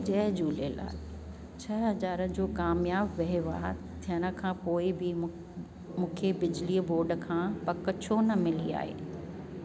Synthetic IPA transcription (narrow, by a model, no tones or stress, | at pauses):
d͡ʑɐɦd͡ʑuːlela̰ː | t͡ɕʰɐɦɐd͡ʑaːɾəd͡ʑoːkaːmjaːbːɐɦiʋa̰ː | t̪ʰijəɽ̃ə̆kʰãːpoːɪbɪ | mũːkʰebɪd͡ʑliəboːɾɖə̆kʰãːpɐkə̆t͡ɕʰonɐmɪlia̰ːɦḛː